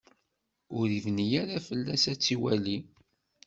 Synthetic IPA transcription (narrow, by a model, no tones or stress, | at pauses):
ʊɾivnijaɾafəlːæsæt͡sːiwæli